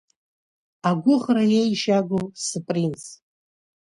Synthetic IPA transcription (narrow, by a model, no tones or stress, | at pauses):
aɡʷʊχrajejʃaɡʷosɨpʼrins